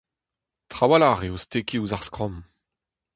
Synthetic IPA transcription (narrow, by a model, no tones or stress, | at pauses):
tχawalaʁeostekiuzaʁskχɔ̃m